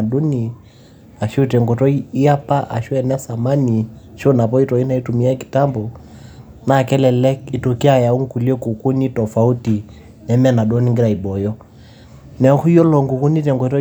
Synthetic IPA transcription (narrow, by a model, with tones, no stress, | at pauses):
du˦ni˨ | a˨ʃu˦tɛ˨ŋɡɔ˨tɔ˦iː˦a˦pa˦ʔa̰˨ʃu˦ɛ˨nɛ˦sa˨ma˦ni˨ʃɔ˦na˨pɔ˦i˦tɔ˨i˦na˦i˦tu˨mi˦a˦ki̥˨ta˦mbɔ˨ | na˨kɛ˦lɛ˨lɛ˦ki˨to˨ki˦a˨ja˨u˦ŋ˨ku˨li˦ɛ˦ku˨ku˦ni˦tɔ˨fa˨u˦ti˨ | nɛ˨mɛ˦na˨dɔ˦ni˦ŋɡi˦ɾa˨i˨bɔ˨jɔ˦ | nɛ˨˦ku˦i˦ɔ˦lɔ˨ŋɡu˨ku˦ni˦t̬ɛ˨ŋɡɔ˨tɔ˦